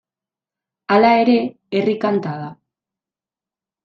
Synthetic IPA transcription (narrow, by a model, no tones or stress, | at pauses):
alae̞ɾe̞ | erikant̪aða